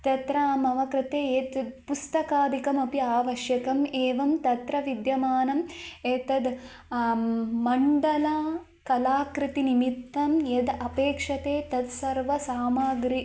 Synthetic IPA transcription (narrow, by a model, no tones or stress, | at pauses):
t̪ɐt̪ɾamɐʋɐkɾɪt̪eːjet̪pust̪ɐkaːd̪ikɐmɐpiaːʋɐʃjɐkɐmeːʋɐmt̪ɐt̪ɾɐʋid̪jɐmaːnɐmet̪ɐd̪ | mɐɳɖɐlaː | kɐlaːkɾit̪inimit̪ːɐmjed̪ɐpeːkʂɐt̪eːt̪ɐd̪sɐɾʋɐsaːmaːɡɾi